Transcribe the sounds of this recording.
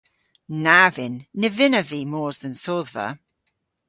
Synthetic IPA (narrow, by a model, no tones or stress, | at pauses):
navɪnːɪvɪnəviːmɔːzðə̃nsoːðvə̰